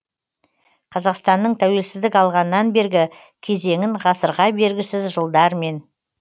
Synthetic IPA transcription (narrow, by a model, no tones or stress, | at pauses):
qʰɑzɑqst̪ɑnːəɴt̪ʰæwe̞lsɪzd̪ɪkɑlˠʁɑnːɑnbe̞ɾɡʲɪ | kʲʰe̞ze̞ŋɪɴʁɑsəɾʁɑbe̞ɾɡʲɪsɪzʒəlˠd̪ɑɾme̞n